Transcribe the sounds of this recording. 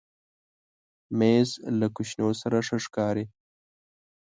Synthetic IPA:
mezlakʊʃnosaɾaʂəʂkɑːɾi

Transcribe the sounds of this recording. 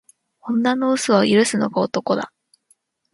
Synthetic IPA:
õ̞nːano̞ɯ̟sɨβaiɾɯ̟sɨno̞̰ɡaot̪o̞ko̞d̪a̰

